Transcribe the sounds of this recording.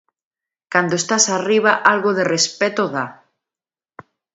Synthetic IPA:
kand̪oest̪asariβ̞aʔalɣoðerespɛt̪oða

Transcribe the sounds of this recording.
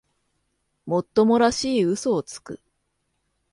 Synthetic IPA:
mo̞t̪ːo̞mo̞ɾaɕiːɯ̟so̞ːt͡sɨ̥kɯ̰

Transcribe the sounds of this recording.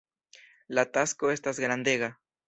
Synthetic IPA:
lat̪askoest̪aezɡɾand̪eɣa

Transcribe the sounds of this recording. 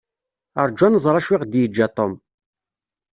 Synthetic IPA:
ə̰ɾˤd͡ʒanəzˤɾˤɑʃwiʁd̪jəd͡ʒːɑt̪ˤom

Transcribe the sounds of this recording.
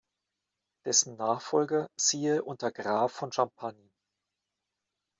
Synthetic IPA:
d̥ɛsn̩naːχfɔlɡɐziːʔʊntɐɡʁaːfːɔnʃampʰani

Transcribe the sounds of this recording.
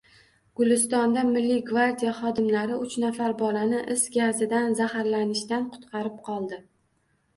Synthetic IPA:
ɡ̥ʊlɪst̪ɒnd̪amɪlːɪɡvaɾd̪ʲijaχɒd̪ɪmlaɾɪʊt͡ʃnafaɾbɒlanɪʔɪsɡʲazɪd̪anzahaɾlanɪʃt̪anqʰʊ̥t̪qʰɑɾɪp̚qʰɒlˠd̪ɪ

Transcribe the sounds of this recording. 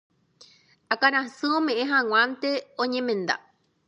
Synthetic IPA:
akaɾ̃ãsɨ̃õmẽ̞ʔẽɦãw̃ãnt̪e̞õɲẽmẽ̞nd̪a̰

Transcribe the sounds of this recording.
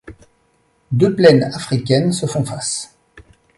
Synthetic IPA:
d̪øplɛnafχikʲɛnsəfɔ̃fas

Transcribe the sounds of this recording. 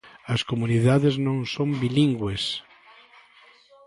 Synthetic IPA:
ɐskomuniðaðɪznõŋsõmbiliŋɡwes

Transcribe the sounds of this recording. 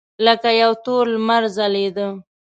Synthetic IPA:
ləkajawt̪olmaɾzaled̪ə

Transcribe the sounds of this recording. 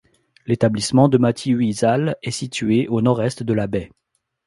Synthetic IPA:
let̪ablismɑ̃d̪əmat̪ʰiɥizalɛsit̪ɥeʔonɔʁɛst̪d̪əlabɛ

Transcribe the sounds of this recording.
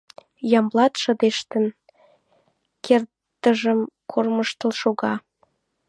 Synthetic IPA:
jɑmlˠɑt̪ʃə̆d̪eʃt̪ə̆n | kert̪ːəʒə̆mkʰorməʃt̪ə̆lʃoɣɑ

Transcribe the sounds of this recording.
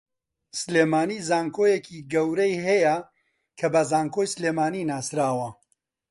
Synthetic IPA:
sleːmaːniːzaːŋkʰoːjekʰiɡɐwɾɐjɦɛjɐ | kʰɐbɐzaːŋkojsleːmaːninaːsɾaːwɐ

